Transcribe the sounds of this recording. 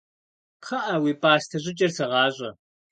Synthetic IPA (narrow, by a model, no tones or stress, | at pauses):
qʰɐʔɐwiːpʼaːstʰɐʑʷʼɪt͡ʃʼɐrsɨʁɑːʑʷʼɐ